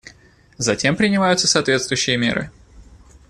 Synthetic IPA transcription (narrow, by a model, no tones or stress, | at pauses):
zɐtʲe̞mpɾʲɪnʲɪmajʊt̪səsɐːt̪vʲet̪st̪vʊjʉɕːɪjəmʲe̞̰ɾʔɨ̰